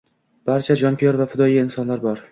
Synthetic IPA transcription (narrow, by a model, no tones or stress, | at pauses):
b̥aɾt͡ʃʰad͡ʒɒmkʲʰɪjɒɾvafɪd̪ɒjiɪnsɒnlaɾbɒɾ